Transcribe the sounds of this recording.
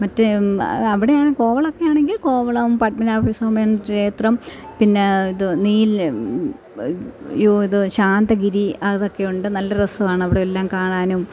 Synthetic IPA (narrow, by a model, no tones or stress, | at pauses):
mɐtːeɐʋiɽejaːɳɨko̞ːʋɐɭokːe̞jaːɳe̞ŋɡilko̞ːʋɐɭɐʋumpɐʈ̚minaːfiːsɐumenːɐtːeːt̪rɐmpinːe̞iðɨniːl | joːiðɨɕaːnd̪ɐɡiɾiɐðo̞kːe̞juɳɖɨnɐlːɐrɐsɐʋaːɳɨɐʋiɽeelːaːmkaːɳaːnum